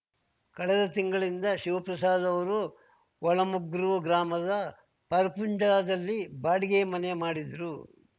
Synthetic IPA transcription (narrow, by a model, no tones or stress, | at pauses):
kɐɭɛd̪ɐt̪iŋɡɐɭind̪ɐʃiʋɐpɾɐsaːd̪ɐʋɐɾu | ʋɔɭɐmuɡɾuɡɾaːmɐd̪ɐ | pɐɾɐpuɲd͡ʒaːd̪ɐlːibaːɽiɡeːmɐnɛjmaːɽid̪ɾu